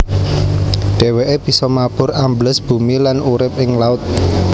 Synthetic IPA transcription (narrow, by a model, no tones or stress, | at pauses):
ɖ̥e̤weʔeb̥i̤sɔmab̥ʊ̤ɾambləsb̥ṳmilanuɾɪp̚ɪŋlaʊt̪̚